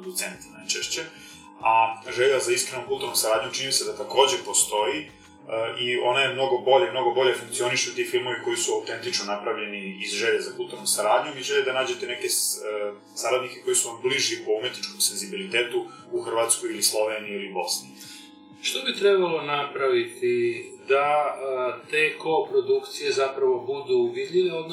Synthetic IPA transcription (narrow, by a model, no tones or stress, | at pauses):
od̪ut̪sent̪najt͡ʃeʃt͡ɕe | aʒeʎazaiskɾenomkulˠt̪uːɾnomsaɾaːd̪ɲut͡ʃinimise̞d̪at̪ako̞ːd͡ʑe̞po̞st̪o̞ji | əʔio̞najemno̞ɡo̞bo̞ʎemno̞ɡo̞bo̞ʎe̞fuŋkt̪sio̞niʃeut̪iːfilˠmo̞ʋiko̞jisuawt̪e̞nt̪it͡ʃnonapɾaʋʎe̞niizʒeːʎazakulˠt̪uɾnusaɾaːd̪ɲumiʒeʎed̪anaːd͡ʑe̞t̪e̞ne̞ke̞ | saɾad̪nike̞ko̞jesuʋambliʒiepoumet̪nit͡ʃkomse̞nzibilit̪eːt̪u | uxr̩ʋaːt̪skojilislˠo̞ʋeːniiliubo̞̰snḭ | ʃt̪obit̪ɾebalˠo̞napɾaʋit̪id̪a | t̪e̞ːkoːpɾo̞d̪ukt̪sije̞zapɾaʋo̞bud̪ubid̪ʎʲiʋeod̪n